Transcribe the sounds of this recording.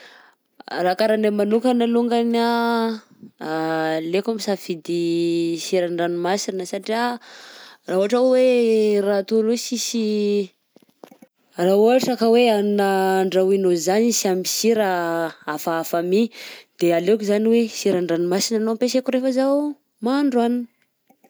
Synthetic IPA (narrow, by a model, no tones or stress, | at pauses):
rakaɾanamanukanaluŋɡana | lekamisafid̪isiɾaɳɖ͡ʐanimasinəsaʈ͡ʂia | rauɦaʈ͡ʂawerat̪ulusisi | raɦuaʈ͡ʂakəweannaɳɖ͡ʐawinozanisiamisiɾaafaafamid̪̥ealekuzaniwesiɾaɳɖ͡ʐanimasinanoampesekuɾefəzau | maɳɖ͡ʐuaninə̥